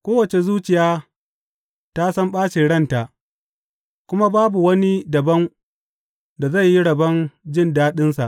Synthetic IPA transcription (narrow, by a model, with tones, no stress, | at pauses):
kʷoː˦wɐ˨t͡ʃe˨zuː˦t͡ʃɪ˨jaː˦ | ta˦sɐ˦mɓaː˦ʃe˨ɽɐ˦nta˨ʔ | kʷʊ˦ma˦baː˦bu˨wɐ˦ni˦dɐ˨bɐ˦ŋ | da˨za˦˨jːi˦ɽɐ˨bɐ˦nd͡ʒɪ˦˨ndaː˦ɗɪ˦nsa˨ʔ